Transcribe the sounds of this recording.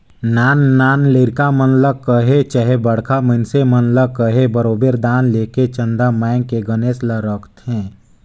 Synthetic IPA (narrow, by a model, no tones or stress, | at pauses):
naːnːaːnleːɾkamənləkəɦet͡ʃəɦebəɽ̤kʰamənsemənləkəɦebəɾoːbeɾd̪aːnleːket͡ʃə̃nd̪amɛːɪŋkeɡəneːsləɾəkt̪ɦɛ̃ː